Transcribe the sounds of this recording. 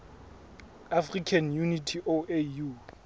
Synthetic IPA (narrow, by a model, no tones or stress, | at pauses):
afrikʰanjunitʰiʔoʔeju